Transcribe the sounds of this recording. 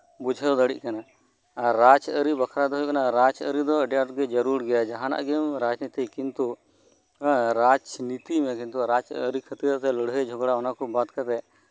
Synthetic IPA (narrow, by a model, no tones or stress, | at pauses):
bud͡ʒʱəd̪əɽḭʔkanaː | at͡ʃəɾibɐkʰɾad̪ɔɦjukɐnaɾat͡ʃəɾid̪ɔɐɖjaʈɡɛd͡ʒɐɾuɾɡɛjad͡ʒaɦãna̰ʔɡɛmɾad͡ʒnit̪ikint̪u | ɾad͡ʒnit̪imɛk̬int̪uɾad͡ʒə̰ɾikʰət̪iɾt̪ɛləɽɦəd͡ʒʱɔɡɽaɔnakɔbat̪kat̪ɛ